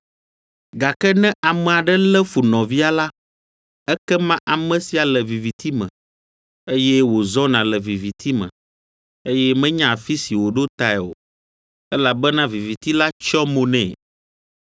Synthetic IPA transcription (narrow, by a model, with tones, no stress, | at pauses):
ɡa˨kɛ˦nɛ̃˦ʔa˨mɛ̃˨a˨ɖɛ˦lɛ˦fu˨nɔ̃˨vi˦a˨la˦ | ɛ˦kɛ˦mã˦ʔa˨mɛ̃˨si˨a˨lɛ˨vi˨vi˨t̪i˦mɛ̰̃˨ | e˦jɛ˦wo˨zɔ˦nã˨lɛ˨vi˨vi˨t̪ʰi˦mɛ̰̃˨ | e˦jɛ˦mɛ̃˦ɲã˦˨fi˦si˨wo˨ɖo˦t̪a˨ɛ˨o̰˨ | ɛ˦la˨bɛ˦nã˦vi˨vi˨t̪i˦la˦t͡ʃɔ˦mõ˨nɛ̰̃˦˨